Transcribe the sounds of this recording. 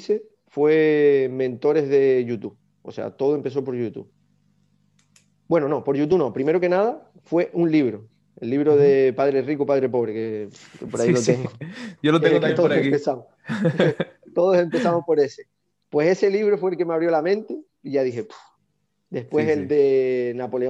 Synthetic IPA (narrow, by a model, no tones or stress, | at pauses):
se | fwemẽnt̪o̞ɾe̞ɦðe̞ʝut̪u | o̰se̞̰a̰t̪o̞ðoe̞mpe̞s̬o̞po̞ɾʝut̪ṵ | bwe̞nono̞po̞ɾʝut̪̬unõ̞pɾime̞ɾoke̞naða | fwe̞ʔunliβɾo | ḛlːiβɾoðepaðɾerikupaðɾepo̞βɾekekpoɾailot̪eŋɡod͡ʒolot̪eɡot̪aeoɾaekipesamo | t̪oðose̞mpe̞samohpo̞ɾe̞se | pwe̞se̞se̞liβ̞ɾofweːlke̞meaβɾjo̞lamẽnt̪e | iʝaðiɦepu̥ | d̪e̞spweseld̪enapo̞le